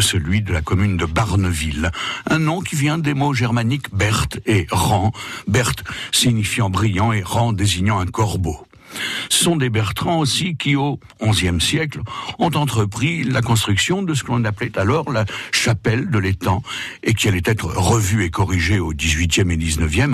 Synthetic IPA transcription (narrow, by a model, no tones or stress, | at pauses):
səlɥid̪əlakɔmynd̪əbaʁnəvilɛ̃nɔ̃kʲivjɛ̃d̪emoʒɛʁmanikbɛʁt̪eʁɑ̃bɛʁt̪siɲifjɑ̃bʁijɑ̃eʁɑ̃d̪eziɲɑ̃ɛ̃kɔʁbo | sɔ̃d̪ebɛʁt̪χɑ̃osikʲio | ɔ̃zjɛmsjɛklɔ̃t̪ɑ̃t̪χəpχilakɔ̃s̬t̪χyksjɔ̃d̪əs̬ə̥kəlɔ̃naplɛt̪alɔʁlaʃapɛld̪əlet̪ɑ̃ekʲialɛt̪ɛt̪χəʁəvyekɔʁiʒeod̪izɥit̪jɛmed̪iznəvjɛm